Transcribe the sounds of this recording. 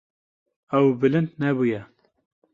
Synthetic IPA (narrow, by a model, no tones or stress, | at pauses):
ɛwbɨlɨnd̪nɛbujɛ